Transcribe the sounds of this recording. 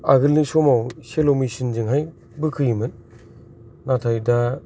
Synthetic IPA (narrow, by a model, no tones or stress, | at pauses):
a̰ɡɯlnisɔmawselomisinzɯŋɦaj | bɯkʰɯjimɯnː | atʰajda